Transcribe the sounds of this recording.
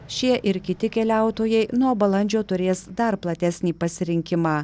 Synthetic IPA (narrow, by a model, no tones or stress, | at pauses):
ʃʲiɛʔɪɾkʲɪt̪ʲɪkʲɛlʲæˑʊt̪oːjɛɪnuɔbɐlˠɐnʲd͡ʒʲoːt̪ʊɾʲeːsd̪ɐɾplˠɐt̪ʲæsʲnʲiːpɐsʲɪɾʲɪŋʲkʲɪmɑː